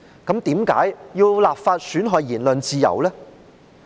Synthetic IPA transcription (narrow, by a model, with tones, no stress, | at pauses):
kɐ˨˧˥mt̪iː˨˥mka̰ː˨˥jjiː˧wlaː˨pfaː˧t̚syː˨˥nɦɔː˨˧jjiː˨˩nlɵ˨˧nt͡siː˧jɐ̰˨˩wlɛ˥